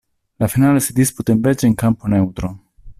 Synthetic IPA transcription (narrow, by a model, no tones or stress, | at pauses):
lafinalesid̪isput̪emved͡ʒeŋkamponewt̪ɾo